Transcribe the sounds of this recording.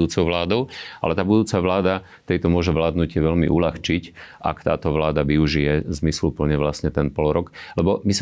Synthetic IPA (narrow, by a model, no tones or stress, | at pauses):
d̪uːt͡sɔʊʋlaːd̪ɔʊa̰lɛt̪aːbud̪uːt͡saʋlaːd̪a | t̪ɛjt̪ɔmʊɔʒɛʋlaːd̪nucɪɛʋɛlmḭʔulaxt͡ʃicʔa̰kt̪a̰ːt̪ɔʋlaːd̪aʋiuʒijɛzmislupl̩ɲɛʋlasɲɛt̪ɛnpɔlɔɾɔklɛbɔmis